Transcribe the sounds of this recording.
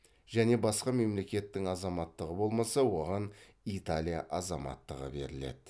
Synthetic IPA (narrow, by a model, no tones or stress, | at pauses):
ʒ̥æne̞bɑsqɑme̞mle̞kʲe̞t̪ːɪŋɑzɑmɑt̪ːəʁəbo̞lˠmɑsɑwo̞ʁɑn | it̪alʲijaʔɑzɑmɑ̰t̪ːəʁə̰be̞̰ɾɪle̞̰d̪̥ɪ